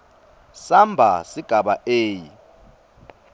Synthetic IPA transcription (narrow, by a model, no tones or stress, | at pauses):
sambʱa̰siɡ̥ʱaɓaʔeːji